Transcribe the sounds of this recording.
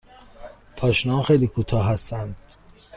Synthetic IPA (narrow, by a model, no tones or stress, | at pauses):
pʰɒːʃinɒnxejliːkʰut̪ʰɒːɦæst̪ænd̪̥